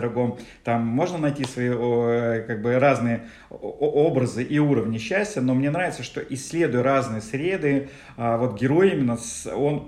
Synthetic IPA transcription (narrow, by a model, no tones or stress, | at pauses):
ɾɐɡo̞mt̪amːo̞ʐnənɐjtʲisvɐikaɡ̚bɨraznɨjə | o̞bɾəzɨʔiuɾəvnʲɪɕːæsʲtʲjəno̞mnʲe̞nɾavʲɪt̪səʂt̪o̞ʔɪsʲːlʲe̞d̪ʊjʊɾaznɨjəsɾʲe̞d̪ɨ | avo̞t̪ɡʲɪɾo̞jimʲɪnːəson